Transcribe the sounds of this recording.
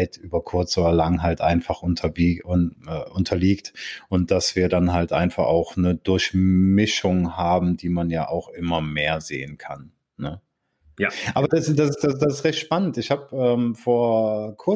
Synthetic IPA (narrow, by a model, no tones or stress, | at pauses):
ɪtʰʔyːbɐkʰʊɐt͡soːdɐlaŋɦaltʔa̰ɪnfaχʔʊntʰɐbiʊɛːʔʊntʰɐliːktʔʊnt̚d̥asv̥iːɐdanɦaltʔa̰ɪnfaχa̰ʊxnəd̥ʊɐçmɪʃʊŋhaːbm̩d̥iːmanja̰ːʔaʊxʔɪmɐmeːɐzḛːənkʰa̰n | nə | ʔaːbɐdasd̥asɪsd̥asd̥asɪstʁɛçtʃpanəntɪçhaːpʔɛːmfoːɐkʰʊɐ